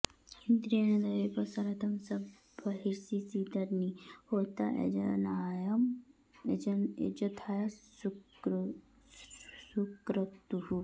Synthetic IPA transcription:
ind̪ɾijɐnɐd̪ɐɾepɐsɐɾɐt̪ʰɐmsɐb | ɐɦiɾsisid̪ɐɾnihoːt̪aʔḛd͡ʒɐnaːjɐm | ed͡ʒɐnḛd͡ʒɐt̪ʰaːjɐs | sukɾɐt̪uɦu

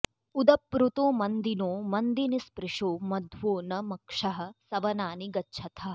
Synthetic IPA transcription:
ud̪ɐpːɾut̪õːmɐnd̪inõːmɐnd̪inispɾɪʂoːmɐd̪ʱʋoːnɐmɐkʂɐɦɐ̆sɐʋɐnaːniɡɐtːʃʰɐt̪ʰɐ

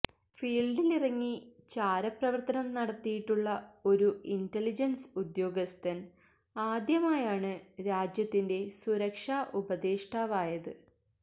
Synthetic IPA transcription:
fiːɭɖilirɐŋːit͡ɕaːɾɐprɐʋɐrt̪ɐnɐmnɐɽɐt̪ːijiʈːuɭːɐo̞ɾuintelid͡ʑɐnsud̪jo̞ːɡɐst̪ɐn | aːd̪jɐmaːjaːɳɨɾaːd͡ʑjɐt̪ːinde̞suɾɐkʂaːʔubɐðeːʂʈʰaːʋaːjɐðɨ

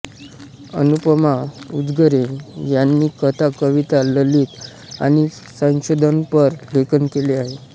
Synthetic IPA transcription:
ə̰nupəmaud͡zɡəɾejanːiːkət̪ʰakəʋit̪aləliːt̪ | a̰ɽ̃i | sə̃ɕod̪ʱənpəɾlʱekənkeleaɦe

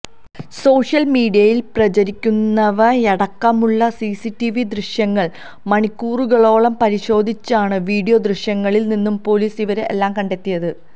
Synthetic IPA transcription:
so̞ːʂjɐlmiːɖijɐjilprɐt͡ɕɐɾikʲːunːɐʋɐeɽɐkːɐmuɭːɐsisitːiʋid̪riɕjɐŋːɐɭ | mɐɳikʲːuːruɣɐɭo̞ːɭɐmpɐɾiɕo̞ːd̪ʱit͡ɕːaːɳɨʋiːɖijo̞d̪riɕjɐŋːɐɭilninːumpo̞ːliːsiʋɐɾeʔḛlːaːmkɐɳɖe̞t̪ːijɐðɨ

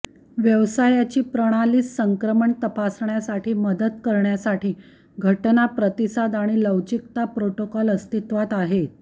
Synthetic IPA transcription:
ʋjəʋsajat͡ɕiːpɾəɽ̃aliːsːəŋkɾəməɳt̪əpasɳjasaʈʰiːməd̪ət̪kəɾɳjasaʈiː | ɡʱəʈnapɾət̪isad̪aɽ̃iləʋd͡ʑik̚t̪apɾoʈokɔləst̪it̪ʋat̪aɦet̪̚

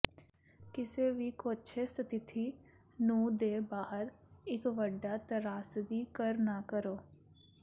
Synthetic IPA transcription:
kɪseːʋiːkoːtːʃʰeːst̪t̪ɪt̪ʰiː | nũːd̪eːbaːɦəɾ | ɪkʋəɖːaːt̪əɾaːsd̪iːkəɾnaːkəɾoː

